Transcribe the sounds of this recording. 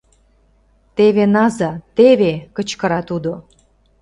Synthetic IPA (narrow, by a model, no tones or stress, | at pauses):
t̪eβenɑzɑt̪eβekə̆t͡ɕkə̆ɾɑt̪ud̪o